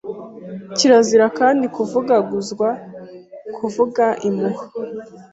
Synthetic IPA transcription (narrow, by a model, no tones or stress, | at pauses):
ciɾaziɾakaːndikuvuɡaɡuzɡwa | kʰuvuɡaʔimuhḁ